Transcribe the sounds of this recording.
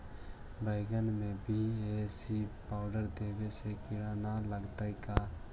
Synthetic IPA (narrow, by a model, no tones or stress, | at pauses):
bəɪɡənmẽbʱiesipaːʊɖəɾd̪eːʋesekɪɽanaləɡt̪aika